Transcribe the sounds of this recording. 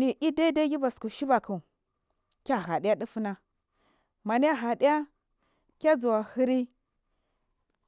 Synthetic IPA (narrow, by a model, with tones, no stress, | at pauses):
ni˨ʔi˦da˦da˦ɡʲi˦ba˨sku˨ʃi˦ba˨ku˨ | kʲa˦˨ɦa˨di˦ja˦di˦fu˦na˦ | ma˨ni˦ja˦ɦa˨di˦ja˦ | kʲa˦d͡zu˨wa˨hi˦ɾi˦